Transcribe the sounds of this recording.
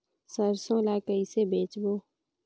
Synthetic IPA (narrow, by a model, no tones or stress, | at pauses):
səɾsõːlaːkəisebeːt͡ʃboː